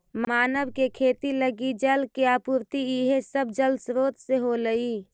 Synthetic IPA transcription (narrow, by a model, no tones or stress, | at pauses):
mmaːnəʋkekʰeːt̪iləɡid͡ʒəlkeapuːɾt̪iiɦesəbd͡ʒəlsɾoːt̪seɦoləiː